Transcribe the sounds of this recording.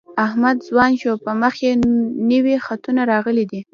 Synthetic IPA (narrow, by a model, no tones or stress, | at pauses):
ahmad̪zwɑnʃopəməxenəwixat̪unaɾɑɣəlid̪i